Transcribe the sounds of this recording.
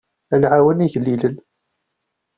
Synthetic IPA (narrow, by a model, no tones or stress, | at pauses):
ælʕawəniʝəlːilən